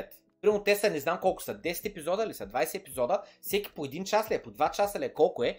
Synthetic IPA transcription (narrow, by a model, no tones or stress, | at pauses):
ɛt̪ | pɾimnʊt̪ɛst̪ənɛznamkɔlˠkʊ̥sɐd̪ɛsɛ̥t̪ɛpizɔd̪əːlisɐd̪vajsɛɛpizɔd̪əfsɛkʲi̥poɛd̪int͡ʃaslʲiɛpod̪vat͡ʃasəliɛkɔlˠkʊɛ